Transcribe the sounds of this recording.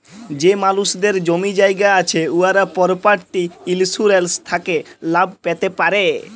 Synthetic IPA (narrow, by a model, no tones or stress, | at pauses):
d͡ʑemaluʃd̪eɾd͡ʑomid͡ʑajɡaat͡ɕʰeuaɾapɔɾpaʈʈiilsuɾelst̪ʰakelab̚ʱpet̪epaɾe